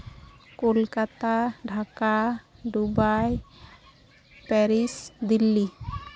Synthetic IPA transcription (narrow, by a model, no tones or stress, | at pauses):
kolkat̪aɖʱakaɖubaj | pɛɾisd̪ilːi